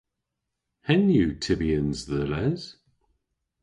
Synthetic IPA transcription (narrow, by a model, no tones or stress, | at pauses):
hɛ̃njutʰɪbiə̃nzðəlɛz̥